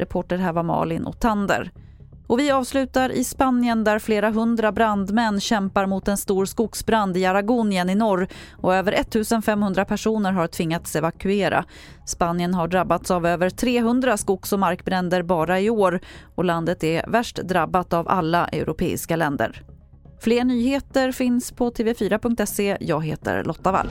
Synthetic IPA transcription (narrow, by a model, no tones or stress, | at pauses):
ɾʔɛpʰoːʈəɾɦæːɾvaɾmɑ̰ːlɪnʔɔ̰k̚t̪ʰand̪ə̰ɾ | ɔvɪɑːvslʉ̟ːt̪aɾʔɪ̰spanɪjənd̪æɾfleːɾaɦɵnd̪ɾabɾand̪mɛnːɕɛmpaɾmʊt̪ɛnst̪uːɾskʊksbɾand̪ɪaɾaɡuːnɪənɪnɔɾː | ɔøːvəɾʔɛt̪ʰːʉ̟ːsənfɛmːhɵnd̪ɾapʰæʂuːnəɾɦaɾʈʰvɪŋːat̪sɛvakɵeːɾʔa̰ | spanjənɦaɖɾabːat̪savøːvəɾʈʰɾeːɦɵnd̪ɾaskʊksɔmaɾkbɾɛnd̪əɾbɑːɾaɪoːɾɔland̪ət̪ɛvæʂʈd̪ɾabːat̪ava̰lːaʔɛ̰ɾʊpʰḛːɪ̰skalɛnd̪ə̰ɾ | fleːɳyːheːt̪əɾfɪnspʰɔt̪ʰeːvɛfyːɾapɵŋkt̪ɛsejɑ̰ːɡɦeːt̪ə̰ɾlʔɔt̪ːava̰l